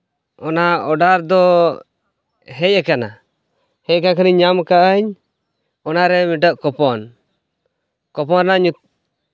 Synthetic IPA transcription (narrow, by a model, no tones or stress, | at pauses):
ɔnaɔɖaɾd̪ɔ | ɦɛjɛkana̰ | hɛjɛkakəniɲamkaʔəɲ | ɔnaɾɛmiʈəʔkɔpɔn | kɔpɔɾnaɲut̪̚